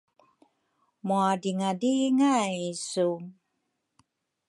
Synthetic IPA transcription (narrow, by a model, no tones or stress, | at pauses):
muadiŋadiŋajisu